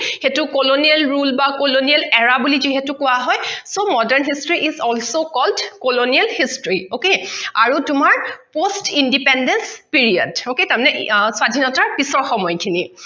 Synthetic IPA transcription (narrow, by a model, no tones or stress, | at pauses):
xetukolonijalɹulbakolonialɛɹabuliziɦetukʊwaɦɔjsomɔdɛɹnɦistɹiʔizɔlsokɔldkolonialhistɹiokeaɹutʊmaɹpostindipɛndɛnspiɹia̰doketamnɛswadʱinɔtaɹpisɔɹxɔmɔjkʰini